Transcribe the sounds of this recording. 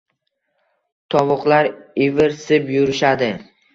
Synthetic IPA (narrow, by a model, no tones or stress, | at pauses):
t̪ʰɒvʊqlaɾɪvɪɾsɪpjʊɾɪʃad̪ɪ